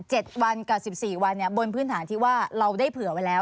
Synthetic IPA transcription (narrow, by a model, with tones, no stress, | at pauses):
t͡ɕe˨˩t̪̚wa˧nkaː˨˩si˨˩p̚siː˨˩wa˧nːi˥˩ɐbo˧npʰɯː˦˥nt̪ʰaː˩˦nt̪ʰiː˥˩waː˥˩ɾa˧wdaː˥˩jpʰɯ˨˩˦ɐwa˧jlɛː˦˥w